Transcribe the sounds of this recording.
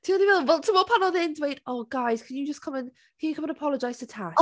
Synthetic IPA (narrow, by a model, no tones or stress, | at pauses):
d̥ʰiəniwɛlˠwɛlˠtʰəməpʰãnəðiɛ̃ntʰəweɪʔtoʊɡ̥aɪz̥kʰə̃njəd͡ʒʌskʰʌ̃mə̃n | kʰənjəkʰʌ̃mə̃nəpʰɒləd͡ʒaɪz̥ətʰa